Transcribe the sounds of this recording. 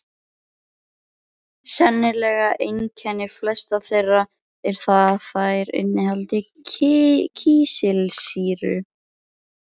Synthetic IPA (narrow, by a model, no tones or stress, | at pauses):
sɛnːɪlɛːɣaʔejncʰanɪflɛst̪aθejra | ɛɾ̥θaðθajɾɪ̰nːɪhalt̪ɪ | cʰiːsɪlsiːɾʏ̰